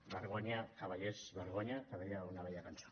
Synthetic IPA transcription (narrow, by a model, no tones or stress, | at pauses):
βeɾɣoɲakaβaʎezβeɾɣoɲak̪aðɾiaunaβejakanso̥